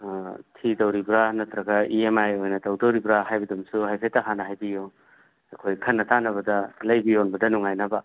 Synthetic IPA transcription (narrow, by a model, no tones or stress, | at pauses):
tʰidɐwɾibɾanɐt̪ɾɐɡɐiemajojnɐtɐwdɐwɾibɾaɦajbɐdumsuɦajpʰejtɐɦanɐɦajbiju | ɐkʰojkʰɐnːɐtanɐβɐdɐlɐjbionbɐdɐnuŋajnɐbɐ